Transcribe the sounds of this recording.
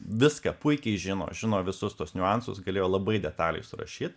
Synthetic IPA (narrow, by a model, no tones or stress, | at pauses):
ʋʲɪskɐpʊɪkʲɛɪʒʲɪno̰ːʒʲɪnoːʋʲɪsʊst̪uɔsnʲʊɑnsʊ̰sɡɐlʲeːjoːlˠɐbɐɪdʲɛt̪ɑːlʲɛ̰ɪsʊɾɐ̰ʃʲiːt̪